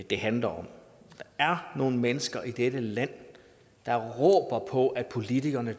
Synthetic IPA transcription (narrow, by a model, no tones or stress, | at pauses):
d̥e̝ɦænlɐɒ̽md̥ɑ̈æɐno̝ːn̩menəsɡ̥ɐʔid̥ed̥əlæn̰ | d̥ɑ̈ʁɔ̰ːb̥ɐpʰɒ̽ʔæd̥̚pʰo̝lit͡sʰiɡ̥ɐnə